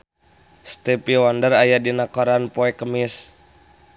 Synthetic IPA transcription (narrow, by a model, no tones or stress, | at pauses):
st̪ɛpiwɔndərajadinakɔɾanpɔɛkəmis